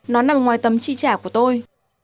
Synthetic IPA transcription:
nɔ˨˦laː˨o˨˩ŋwaː˨˩jt̪ə˨˦mt͡ɕḭ˧˨t͡ɕaː˧˩ku˧˩ət̪o˧j

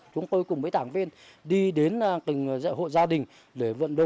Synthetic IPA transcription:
t͡ɕʊ˨˦ŋ͡mt̪o˧jkʊ˨˩ŋ͡mməː˨˦jt̪aː˧˩ŋvḭ˧ənɗi˧ɗe˨˦n˨˩t̪ï˨˩ŋ̟za̰˧˨jɦo̰˧˨jzaː˧ɗï˨˩ŋ̟ | ɗe˧˩və̰˧˨nɗo̰˧˨

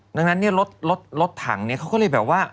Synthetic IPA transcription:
da˧˩ŋna˦˥nːi˥˩ɐɾo˦˥t̪̚lo˦˥t̪̚lo˦˥t̪ʰːa̰ː˩˦ŋni˥ɐkʰa˦˥wkɔ˥˩lɤ˧˩jbɛː˨˩p̚waː˥˩

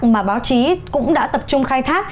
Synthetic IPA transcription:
maː˨˩ɓaː˨˦wt͡ɕi˨˦kʊ̰˧˥ŋ͡mɗa̰ː˧˥t̪ə˨˩p̚t͡ɕʊ˧ŋ͡mxaː˧jt̪ʰaː˦˥k̚

